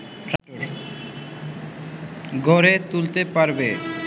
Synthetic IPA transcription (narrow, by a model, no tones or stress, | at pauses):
ʈɾaoɾ | ɡʱoɾet̪ult̪epaɾbe